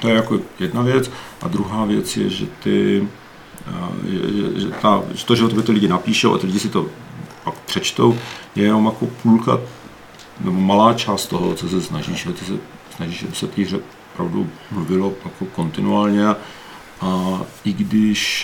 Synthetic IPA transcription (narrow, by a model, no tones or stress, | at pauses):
t̪ojɛjakojɛdnavjɛt͡sʔa̰d̪ɾuɦaːvjɛt͡sjɛ̰ʒɛ̰t̪ɪ | ɛ̰ʒɛ̰ʒɛ̰t̪a̰ɛt̪oʒɛot̪ɛbɛt̪ɪlɪɟɪnapiːʃɛwʔa̰t̪ɪlɪɟɪsɪt̪o̞pakpr̥ɛt͡ʃt̪o̞wjɛjɛno̞mjako̞pʰulka̰ | nɛbomalaːt͡ʃaːst̪t̪oɦo̰t͡sos̬ɛsnaʒiːʃt̪ɪsɛ | snaʒiːʃʒɛbɪsɛt̪iɦr̝ɛ | opɾavdṵmluvɪlojakoko̞nt̪ɪnuaːlɲɛa | ʔaɪɡdɪʃ